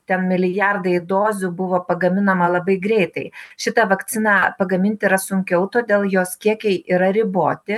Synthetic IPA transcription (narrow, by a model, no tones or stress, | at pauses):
t̪ʲɛnmʲɪlʲɪjɑrd̪ɐɪd̪oːzʲʊbʊʋoːpɐɡɐmʲɪnɐmɐlˠɐbɐɪɡɾʲɛɪt̪ɐɪʃʲɪt̪ɐʋɐk̪t͡s̪ʲɪnɑpɐɡɐmʲɪnʲt̪ʲɪɾɐsʊŋʲkʲɛʊt̪oːd̪ʲeːlˠjoːskʲiɛkʲɛɪʔiɾɐɾʲɪboːt̪ʲɪ